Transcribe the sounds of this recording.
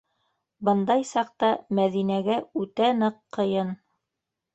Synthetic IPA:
bɤ̆nd̪ɑjsɑqt̪ɑmæðinæɡæʉt̪ænɤqʰːɤ̆jɤn

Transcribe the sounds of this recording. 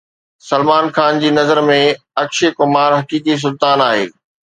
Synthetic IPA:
sɐlmaːnxaːnd͡ʑiːnɐzəɾmẽ | ɐkʃekʊmaːɾɦɐkiːk̬is̬ʊlt̪aːnaːɦḛː

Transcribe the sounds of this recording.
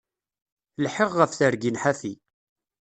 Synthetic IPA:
lħəʁːəfθəɾɡinħaθi

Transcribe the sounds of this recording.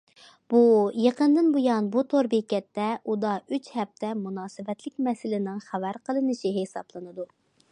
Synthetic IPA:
b̥ujeqənd̪ɨnbojɑnbut̪ʰoɾbekʲɛt̪ːɛʔud̪ɑyt͡ʃhɛp̚t̪ʰɛmunɑːsɨvɛt̪lɪkʲmɛsɪlɪnɪŋχævæɾqəlˠɨnɨʃiɦesɑ̰blˠɨnɨd̪u

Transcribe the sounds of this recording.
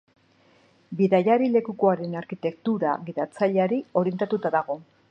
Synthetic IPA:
biðajaɾile̞kuko̞aɾe̞naɾkit̪e̞kt̪uɾaɣiðat͡saʎeaɾio̞ɾje̞nt̪at̪ut̪aðaɣ̞o̞

